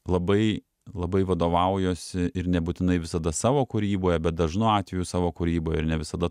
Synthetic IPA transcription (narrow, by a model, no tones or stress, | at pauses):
lˠɐbɐɪ | lˠɐbɐɪʋɐd̪oːʋɐʊjoːsʲɪɪɾnʲɛbuːt̪ʲɪnɐɪʋʲɪsɐd̪ɐsɑːʋoːkʊɾʲiːboːjɛbʲɛt̪̚d̪ɐʒnʊɑːt̪ʲʋʲɛjʊsɑːʋoːkʊɾʲiːboːjɛɪɾnʲɛʋʲɪsɐd̪ɐ